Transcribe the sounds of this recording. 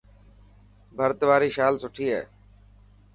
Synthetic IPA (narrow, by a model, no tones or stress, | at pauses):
bʱəɾt̪ʋaːɾiːʃaːlsʊʈʰiːɦɛ̰ː